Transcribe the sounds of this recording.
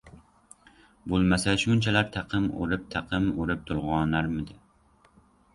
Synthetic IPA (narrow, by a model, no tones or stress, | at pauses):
bolˠmasaʃʊnt͡ʃʰalaɾt̪ʰɑqʰɨmo̰ɾɪp̚t̪ʰɑqʰɨmoɾɪp̚t̪ʰʊɾˠʁɒnaɾmɪd̪ɪ